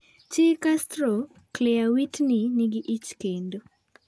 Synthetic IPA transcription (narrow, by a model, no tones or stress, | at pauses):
t͡ʃikastɾo | klɛawitniniɡɪʔit͡ʃkendo